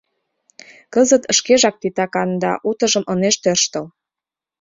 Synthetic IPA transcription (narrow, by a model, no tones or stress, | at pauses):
kəzət̪ə̆ʃkeʒɑk̚t̪it̪ɑkɑnd̪ɑ̰ʔut̪ə̆ʒə̆mʔɤneʃt̪ørʃt̪ə̆l